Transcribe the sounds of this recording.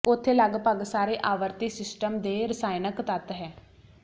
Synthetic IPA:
ʊt̪ʰːeːləɡpəɡsaːɾeːʔaːʋəɾt̪iːsɪsʈəmd̪eːɾəsaːjnəkt̪ət̪ɦɛː

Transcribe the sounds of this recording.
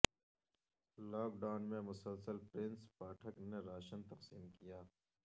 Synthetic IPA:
laːk̚ɖaːnmẽmʊsəlsəlpɾɪ̃nspaːʈʰəkneɾaːʃənt̪ɐqsiːmkijaː

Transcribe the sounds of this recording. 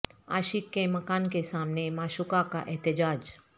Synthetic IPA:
a̰ːʃɪkːemɐkaːnkesaːmnemaːʃʊkaka̰ʔɛɦt̪ɪd͡ʒaːd͡ʒ

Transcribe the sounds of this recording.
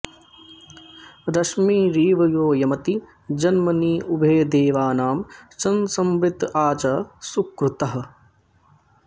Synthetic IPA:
ɾɐʃmiːɾiːʋɐjoːjɐmɐt̪i | d͡ʒɐnmɐniːʔubʱeːd̪eːʋaːnaːmt͡ʃɐnsɐmbɾɪt̪aːt͡ʃɐsukɾut̪ɐɦɐ̆

